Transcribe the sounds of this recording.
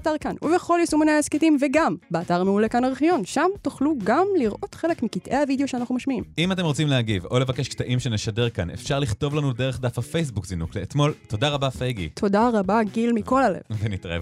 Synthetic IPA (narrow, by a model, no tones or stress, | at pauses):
taʁkanuveχo̞ljisumineesketimveɡambeataʁmeulekanaʁiχijo̞nʃamtuχluɡamliʁʔo̞tχe̞le̞kmikitʔe̞havideo̞ʃeanaχnumaʃmiimimat̪e̞mʁot͡simlehaɡivo̞le̞vake̞ʃktaʔimʃe̞neʃade̞ʁkanḛfʃaʁliχto̞vlanude̞ʁe̞χdafhafejs̬bukzinukleːt̪mo̞lto̞daʁabafejɡḭt̪ʰo̞daʁabaɡilmiko̞lalḛvvenitʁa̰ev